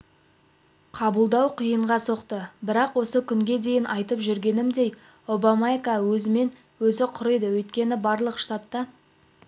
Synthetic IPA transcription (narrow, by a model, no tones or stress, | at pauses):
qʰɑbəlˠd̪ɑwqʰijəɴʁɑso̞qt̪əbɪɾɑqwo̞səkʲʰʏŋɡʲe̞d̪e̞jɪnʔɑjt̪əpʒʏɾɡʲe̞nɪmd̪e̞j | o̞bamaekawɵzɪme̞n | wɵzɪqʰʊɾəjd̪əwɵjt̪kʲe̞nɪbɑɾlˠəqʃt̪at̪ːɑ